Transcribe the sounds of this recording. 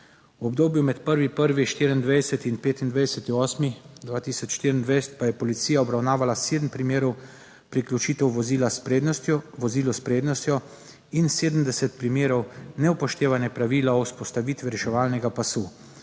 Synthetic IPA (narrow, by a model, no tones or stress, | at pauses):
wɔbd̪oːbjumɛt̪pəɾʋipəɾʋiʃt̪iːɾiind̪ʋɛjsɛt̪inpeːt̪ind̪ʋajsɛt̪iɔːsmixd̪ʋaːt̪iːsɔt͡ʃʃt̪iːɾind̪ʋɛjsɛ̥t̪̚pajɛpɔlit̪sijaɔbɾawnaːʋalaseːd̪m̩pɾimeːɾɔw | pɾiklʲjut͡ʃiːt̪ɛwʋɔzilaspest̪ʋɔziːlɔspɾeːd̪nɔst̪jɔ | inseːd̪m̩d̪ɛsɛt̪pɾimeːɾɔwnɛwpɔʃt̪eːʋanjɛpɾaʋiːlaɔwspɔst̪aʋiːt̪ʋiɾɛʃɛʋaːlnɛɡapasu